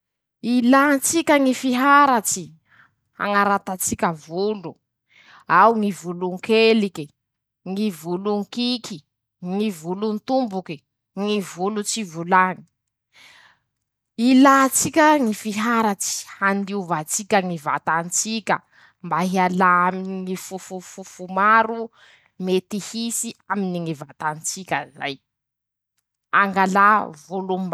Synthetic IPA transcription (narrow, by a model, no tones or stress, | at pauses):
ilant͡sikʲəŋifiɦaɾat͡si | a̰ŋaɾat̪at͡sikʲəvulu | awŋivuluŋkeliki | ŋivuluŋkiki | ŋivulunt̪umbuki | ŋivulut͡sivulani̥ | ilat͡sikʲəŋifiɦaɾat͡si̥hand̪iuvat͡sikʲəŋiva̰t̪ant͡sikʲə̰ | mbaɦialaaminiŋifufufufumaɾu | met̪ihisiaminiŋivat̪ant͡sikʲəza̰j | aŋɡalavuluma